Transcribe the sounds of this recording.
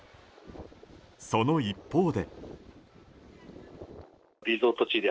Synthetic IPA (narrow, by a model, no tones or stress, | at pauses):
so̞no̞ipːo̞ːd̪e̞ | ɾʲizoːt̪ot͡ɕid̪e